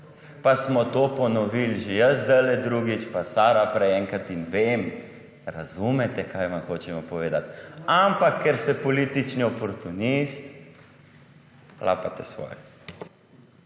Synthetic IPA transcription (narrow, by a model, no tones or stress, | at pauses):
pasmɔt̪oːpɔnɔʋilʒejəzd̪əlɛd̪ɾuːɡit͡ʃpasaːɾapɾɛɛŋkat̪inʋeːm | ɾazuːmɛt̪ɛkʰaːjʋanxoːt͡ʃɛmɔpɔʋeːd̪at̪ampakːɛɾst̪ɛpɔliːt̪it͡ʃniɔpɔɾt̪unist̪ | lʔa̰ːpat̪ɛsʋɔ̰ːj